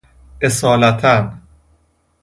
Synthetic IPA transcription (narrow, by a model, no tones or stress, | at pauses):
ʔesɒːlæt̪ʰæn